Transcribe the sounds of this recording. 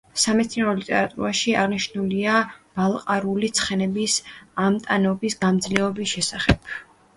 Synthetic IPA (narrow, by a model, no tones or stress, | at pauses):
samɛt̪sʰiɔlit̪ʼɛɾat̪ʼṵɾaʃia̰ʁniʃnuliab̥alˠqʼaɾulit̪sʰχɛnɛbisamt̪ʼanɔbisɡamd̪zlɛɔbisʃɛsaχɛb̥